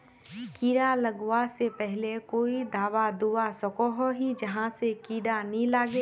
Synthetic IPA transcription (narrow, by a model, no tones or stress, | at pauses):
kiːɽalɐɡwasepɛɦlekoːid̪ʱaːʋad̪uwasɐkoɦoɦid͡ʒɐɦãsekiːɽanilaːɡeː